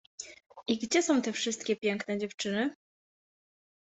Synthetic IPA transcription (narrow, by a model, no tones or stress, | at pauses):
ʔiɡd͡ʑɛsɔ̃w̃t̪ɛfʂɘst̪kʲɛpʲjɛŋknɛd͡ʑɛft͡ʂɘnɘ